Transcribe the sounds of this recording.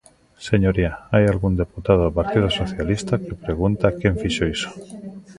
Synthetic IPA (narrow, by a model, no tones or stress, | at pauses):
seɲoɾiaajalɣund̪eput̪að̞oepaɾt̪iðosoθjalist̪akepɾeɣ̞unt̪akẽɱfiʃoiso̥